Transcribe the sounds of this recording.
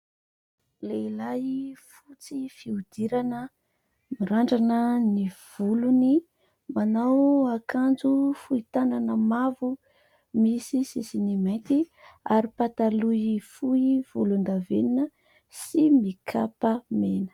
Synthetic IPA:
leilajifut͡sifiud̪iɾanə | miɾaɳɖ͡ʐanəniv̥uluni | manawakʰand͡zufuit̪ananəmavu | misisisinimejnt̪i | aɾipat̪aluifuiv̥ulund̪aveninə | simikʰapəmenə̥

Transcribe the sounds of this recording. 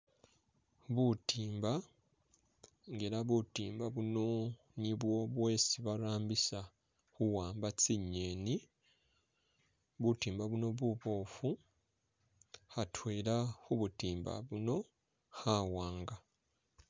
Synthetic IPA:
βutiːmba | ŋɡe̞ːɾaβutiːmbaβuno̞ | niβwo̞βwe̞ːsiβaɾaːmbisa | xuwaːmbat͡siɲːeːni | βutiːmbaβuno̞βuβo̞ːfu | hatʰweːɾaxuβutiːmba̰βuno̞ | hawaːŋɡa

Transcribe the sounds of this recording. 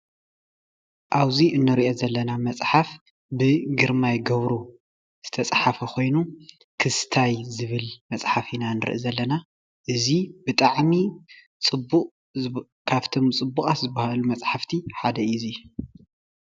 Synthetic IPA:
ʔaβziɨnːɨɾiʔozɐlːɐnamɐt͡sʼħaf | bɨɡɨɾmajɡɐβɾu | z̥ɨt̪ʰɐt͡sʼħafɐkʰo̞jnu | kʰɨst̪ʰajzɨβɨlmɐt͡sʼħafinanɨɾɨ̰ʔɨzɐlːɐna | ʔɨzibɨt̪ʼaʕmi | t͡sʼɨbːukʼ | kʰaβt̪ʰomt͡sʼɨbːukʼat̪zɨbahalumɐt͡sʼħaft̪ʰiħad̪ɐizi

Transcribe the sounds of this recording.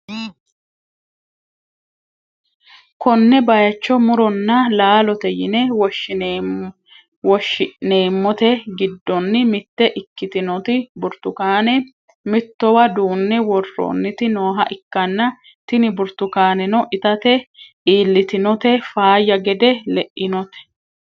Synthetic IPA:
kɔnːɛbɐjɐt͡ʃːɔmʊɾɔnːɐlaːlɔt̪ɛjɪ̰nɛwɔ | wɔʃɪne̞ːmːɔt̪ɛɡɪd̪ːɔnːɪmɪt̪ːɛʔɪkːɪt̪ɪnɔt̪ɪbʊɾt̪ʊkaːnɛ | mɪt̪ːɔwɐd̪uːnːɛwɔrːo̰nːɪt̪ɪnoːɦɐʔɪkːɐnːɐ | t̪ɪnɪbʊɾt̪ʊkaːnɛnɔʔɪt̪ɐt̪ɛʔiːlːɪt̪ɪnɔt̪ɛfaːjːɐɡɛd̪ɛlɛʔːɪnɔt̪ɛ̥

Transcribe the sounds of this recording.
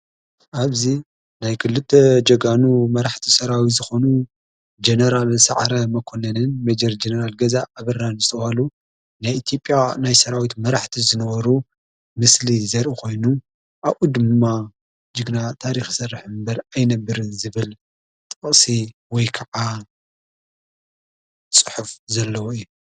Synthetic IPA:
ʔaβzi | najkʰɨlːɨt̪ʰːed͡ʒɐɡanumɐɾaħt̪ʰisɐɾawizɨxo̞nu | d͡ʒenɐɾalsa̰ʕɾɐmɐkʰo̞nɐnɨnmed͡ʒɐɾd͡ʒenɐɾalɡɐzaʔːβɨranzɨt̪ʰɐhalu | najit̪ʰjo̞pʼjanajsɐɾawit̪mɐɾaħt̪ʰizɨnɐβɐɾu | mɨslizɐɾʔikʰo̞jnu | ʔaβʔud̪ɨmmːa | d͡ʒɨɡnat̪ʰaɾixsɐrɨħmbɐɾajnɐbːɨɾɨnzɨβɨl | t̪ʼɨχʼsiwɔjkʰɐʕa | t͡sʼɨ̥ħufzɐlːɐwoɨjːu

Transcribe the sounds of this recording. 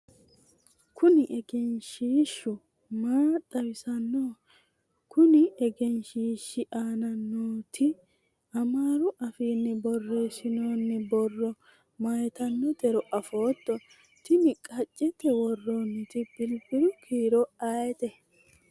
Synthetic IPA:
kʰʊnɪʔɛɡɛnʃiːʃːʊ | maːt̪ʼːɐwɪsɐnːoː | kʰʊnɪɛɡɛnʃiːʃːɪʔaːnɐnːoːt̪ʰɪ | ɐmaːɾʊʔɐfiːnːɪbɔrːe̞ːsɪno̞ːnːɪbɔrːɔ | mɐjɛt̪ɐnːɔt̪ɛɾɔʔɐfo̞ːt̪ːɔ | t̪ɪnɪkʼɐt͡ʃʼːɛt̪ːɛwɔrːoːnːɪt̪ɪb̥ɪlbɪɾʊkʰiːɾɔaːjɛt̪ɛ

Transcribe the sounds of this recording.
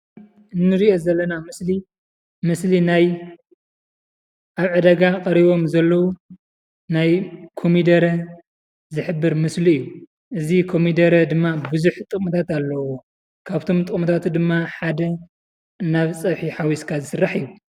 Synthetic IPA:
ɨnːɨɾiʔo̞zɐlːɐnamɨsli | mɨslinaj | ʔaβʕɨd̪ɐɡakʼɐɾiβo̞mzɐlːɐwu | najkʰo̞mid̪ɐɾɐ | zɨħɨbːɨɾmɨsliɨjːu | ʔɨzikʰo̞mid̪ɐɾɐd̪ɨmːabɨzuħt̪ʼɨkʼmɐt̪ʰat̪alːɐwo | kʰaβt̪ʰo̞mt̪ʼɨχʼmɐt̪ʰat̪ud̪ɨmːaħad̪ɐ | naβt͡sʼɐβħiħawiskʰazɨsɨrːaħiju

